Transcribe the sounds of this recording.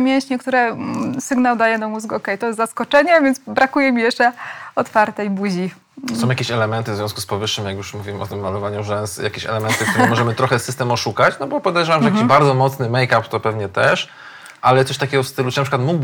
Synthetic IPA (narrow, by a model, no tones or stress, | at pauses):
mʲjɛ̃ɕɲɛkt̪uɾɛsɘɡnawd̪ajɛnamuzɡɛɔkɛjt̪ɔjɛst̪zaskɔt͡ʂɛɲɛvʲjɛnzbɾakujɛmʲijɛʂt͡ʂɛɔt̪faɾt̪ɛjbud͡ʑi | ssɔ̃w̃jakʲeɕɛlɛmɛnt̪ɘvzvjɔ̃skuspɔvɘʂːɘmjakjuʂmuvʲiwmɔ̰t̪ɘmːalɔvaɲuʐɛsja̰kʲɛɕɛ̰lɛmɛnt̪ɘkt̪uɾɘmɔʐɛmɘt̪ɾɔxɛsɘst̪ɛmɔʂukat͡ɕnɔbɔpɔd̪ɛjʐɛvamʐɛjakiʑbaɾd̪zɔmɔt̪snɘmɛjkapt̪ɔpɛvɲɛt̪ɛʂ | ʔalɛt̪sɔʂt̪akʲɛɡɔfst̪ɘlutɨnapʂɘkwat̪muɡb